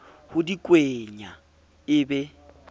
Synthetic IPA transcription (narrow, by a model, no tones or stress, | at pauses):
hʊdikʼweɲa | ɪbɛ